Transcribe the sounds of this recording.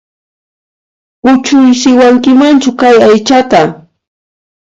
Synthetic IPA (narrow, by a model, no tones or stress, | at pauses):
ʊt͡ʃʊjsɪwaŋkɪmant͡ʃʊkajajt͡ʃat̪a